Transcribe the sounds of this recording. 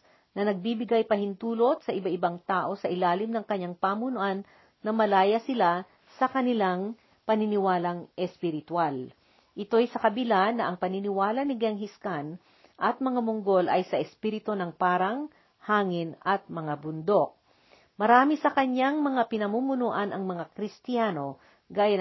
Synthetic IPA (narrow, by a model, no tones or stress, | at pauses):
nɐnɐɡ̚bibɪɡajpɐhɪnt̪uːlo̞t̪̚sɐʔɪbaʔɪbaŋt̪aːʔo̞sɐʔɪlaːlɪmnɐŋkɐɲːaŋpamʊnʊʔanː | ɐmɐlaːjɐsɪla | sɐkɐnɪlaŋ | pɐnɪnɪwaːlɐŋʔɛspɪɾɪt̪wal | ʔɪt̪o̞jsɐkɐbɪlanːɐʔɐŋpɐnɪnɪwaːlɐnɪɡɛŋɦɪskan | ʔɐt̪̚mɐŋamʊŋɡo̞lʔɐjsɐʔɛspiɾɪt̪o̞nɐŋpaːɾɐŋ | haːŋɪnʔɐt̪̚mɐŋabʊnd̪o̞k̚ | mɐɾaːmisɐkɐɲːaŋmɐŋapɪnɐmuːmʊnoʔɐnɐŋmɐŋakɾɪst̪ɪjaːno̞ | ɡaːjɐn